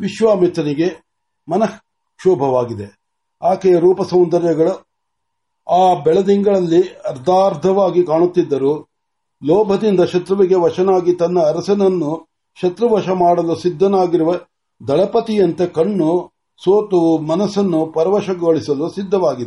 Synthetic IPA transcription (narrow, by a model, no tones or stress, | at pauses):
ʋiʃʋaːmit̪ɾɐniɡe̞ | mɐnɐ | ʃuːbʱɐʋaːɡid̪e̞ | aːkejɐɾuːpɐsɐwnd̪ɐɾjɐɡɐɭu | aːbɛɭɐd̪iŋɡɐɭɐlːiɐɾd̪aːɾd̪ʱɐʋaːɡikaːɳut̪ːid̪ːɐɾuː | lɔːbʱɐd̪ind̪ɐʃɐt̪ɾuʋiɡe̞ʋɐʂɐnaːɡit̪ɐnːɐːɾɐsɐnɐnːu | ʃɐt̪ɾɐʋɐʃɐmaːɽɐlusid̪ʱːɐnaːɡiɾuʋɐ | d̪ʱɐɭɐpɐt̪ijɐnt̪ekɐɳːu | soːt̪umɐnɐsɐnːupɐɾɐʋɐʃɐɡoɭisɐlusid̪ʱːɐʋaːɡid̪e